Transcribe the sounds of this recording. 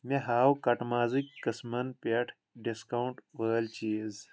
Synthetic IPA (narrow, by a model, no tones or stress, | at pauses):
meɦaːwkɐʈmaːzikkɐsmɐnpeʈʰ | ɖiskawuɳʈwəːlt͡ʃiːz